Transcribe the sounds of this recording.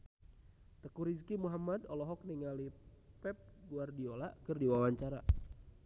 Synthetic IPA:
t̪əkuɾiskimuɦamadɔlɔɦɔk̚niŋalipɛp̚ɡuardiola̰kɨrdiwawaɲt͡ʃaɾa̰

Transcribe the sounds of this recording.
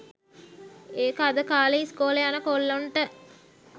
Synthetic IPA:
eːkad̪əkaːleiskoːləjanəkolːoɳʈə

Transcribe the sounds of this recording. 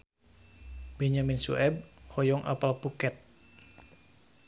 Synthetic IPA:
bɛɲaminsṵʔɛb̚hɔjɔŋʔa̰palpukɛt̪̚

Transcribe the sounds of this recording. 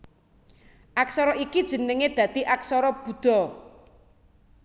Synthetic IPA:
ʔaksɔɾɔikid̥ʒ̥ə̤nəŋed̪̥ä̤d̪̥iʔak̚sɔɾɔb̥ṳd̪̥ɔ̤

